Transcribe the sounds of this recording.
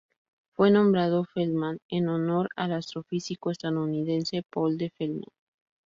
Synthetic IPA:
fwe̞nõ̞mbɾaðo̞felmanenono̞ɾalast̪ɾo̞fisikoest̪aðouniðe̞nse̞po̞ld̪efelma̰n

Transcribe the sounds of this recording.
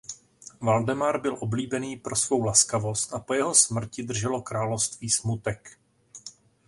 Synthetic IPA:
valdɛmaɾbɪlʔo̞bliːbɛniːpɾo̞svo̞wlaskavo̞st̪ʔapo̞jɛɦo̞smr̩cɪd̪r̩ʒɛlo̞kɾaːlofst̪viːsmut̪ɛk

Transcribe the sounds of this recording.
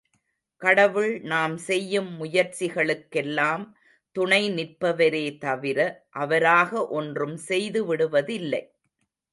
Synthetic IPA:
kɐɽɐʋɯɭnaːmsɛjːɯmːʊjɐɾt͡ʃɪɣɐɭɯkːɛlːaːm | t̪ʊɳɐɪnɪrpɐʋɐɾeːt̪ɐʋɪɾɐʔɐʋɐɾaːɣɐʔɔndrɯmsɛjðɯʋɪɽɯʋɐðɪlːɐɪ

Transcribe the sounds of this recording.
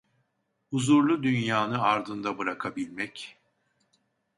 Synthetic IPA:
uzuɾlˠud̪ynjaːnɯaɾd̪ɯnd̪abɯɾakʰabilʲmɛc

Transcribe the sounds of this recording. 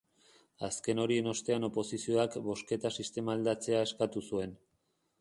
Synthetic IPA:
aske̞no̞ɾie̞no̞st̪e̞ano̞po̞sisio̞akbo̞ske̞t̪asist̪e̞maːld̪at͡se̞ae̞skat̪usue̞n

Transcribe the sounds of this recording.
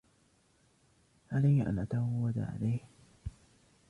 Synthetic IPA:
ʕalajhʔa̰nʔat̪awawːad̪a̰ʕa̰lajh

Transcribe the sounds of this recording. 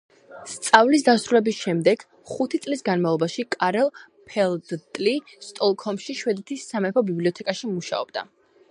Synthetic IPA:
st̪sʼavlis̬d̪asɾulɛbisʃɛmd̪ɛɡ̥ | χut̪ʰit̪sʼlisɡanmavlˠɔbaʃikʼaɾɛlˠ | pʰɛlˠd̪t̪ʼlist̪ʼɔlˠkʰɔmʃiʃwɛd̪ɛt̪ʰisːamɛpʰɔbibliɔt̪ʰɛkʼaʃimuʃa̰ɔ̰b̥̚d̪a̰

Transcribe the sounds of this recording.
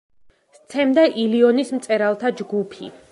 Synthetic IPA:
st̪sʰɛmd̪aʔiliɔnismt̪sʼɛɾalˠt̪ʰad͡ʒɡupʰḭ

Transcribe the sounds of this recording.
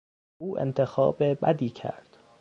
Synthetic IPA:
uːʔḛnt̪ʰe̞xɒ̰ːbebæd̪iːcʰæ̰ɾd̪̥

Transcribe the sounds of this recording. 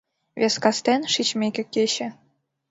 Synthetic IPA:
vʲeskɑst̪enʃit͡ɕmʲekʲĕkʲeɕɘ̆

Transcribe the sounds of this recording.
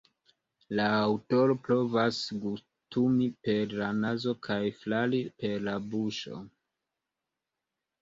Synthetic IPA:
laːwto̞ɾo̞pɾo̞vasɡus | tumipe̞ɾlanazo̞kʰajflalipe̞ɾlabuʃo̞̰

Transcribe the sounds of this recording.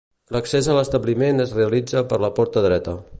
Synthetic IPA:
ləksezələst̪əβlimenəzreəlid͡zəpəɾləpɔɾt̪əðɾɛt̪ə

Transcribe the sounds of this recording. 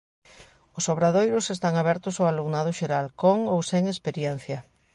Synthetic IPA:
ʊsoβɾaðojɾʊsest̪aŋaβɛɾt̪ʊsawaluɣnaðʊʃeɾalkoŋowseŋespeɾjɛn̟θjɐ

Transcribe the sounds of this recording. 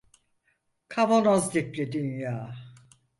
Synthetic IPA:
kʰaβonazd̪iklʲed̪ynjaː

